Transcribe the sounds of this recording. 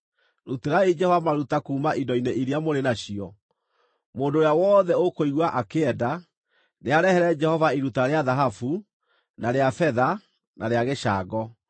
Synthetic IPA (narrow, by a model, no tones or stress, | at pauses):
ɾuteɾaid͡ʒɛhɔvamaɾutakuːmaʔindɔineʔiɾeamoɾenaɕiɔ | moːndoːɾjawɔːðɛokoiɣwaʔakeɛda | neaɾɛhɛɾɛd͡ʒɛhɔvaiɾutaɾeaðaɦafu | naɾeafɛða | nʔaɾeaɣeʃa̰ːɡɔ